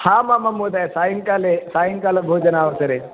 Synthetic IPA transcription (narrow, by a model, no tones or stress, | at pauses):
haːmamɐmoːd̪aːjsaːjiŋkaːlesaːjiŋkaːlɐbʱoːd͡ʒɐnaːʋɐsɐɾe